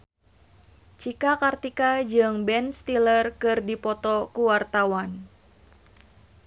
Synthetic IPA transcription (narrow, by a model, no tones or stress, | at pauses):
t͡ʃikakart̪ikad͡ʒɨŋbɛnst̪ilərkɨrdipɔt̪ɔkuwart̪awan